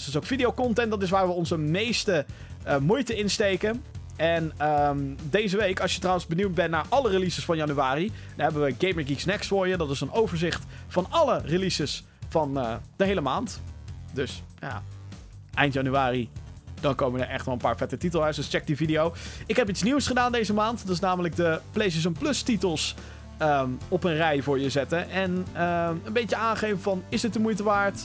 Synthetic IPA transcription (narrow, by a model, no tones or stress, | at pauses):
sɪs̬owkfidijowkɔntɛntdɑtɪs̬ʋaːɹʋəɔnzəmejstə | mujtəɪnstejkən | ɛnəmdejzəʋejkɑlˠsjətrawənzbəniwd̚bɛntnaːɹʔɑlərelisəsfɑnjɑnyaːri | dɑnɦɛbəʋəɡejməɡiksnɛkstfʊːɹjədɑtɪsənowvəɹzɪχtfɑnɑlərelisəs | fɑnd̥əɦejləmaːntdɵsja̰ː | ʔɛjntjɑnyaːrid̥ɑnkowməədəɹʔɛ̰χtʋɛlˠə̃nmpaːɹfɛtətitəlˠɦɛsɔst͡ʃɛk̚dividiowɪkɦɛp̬itsniwsχədaːndejzəmaːntdɑtɪsnaːmələk̚dəplejs̬ɪzənplɵstitəlˠs | əɔpənrɛjvʊːɹjəzɛtəʔɛnəənbejtəaːnχejvəvɑnɪsət̚dəmujtəʋaːɹt